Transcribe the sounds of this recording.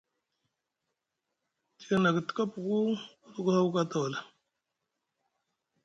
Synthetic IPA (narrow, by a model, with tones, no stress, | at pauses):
ti˨ɡa˨na˨ɡtə̥˨˦ka˦pu˨ɡu˦u˦ɾu˦ɡu˦ha˦wka˦ta˨wa˨la˨